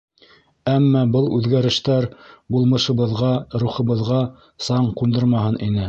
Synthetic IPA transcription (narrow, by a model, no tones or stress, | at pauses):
æmːɑbɤlˠʉðɡæɾɘ̆ʃt̪æɾbulˠmɤ̆ʃɤ̆βɤ̆ðʁɑɾuχɤ̆βɤ̆ðʁɑ | sɑɴqund̪ɤɾmɑhɤnʔinɘ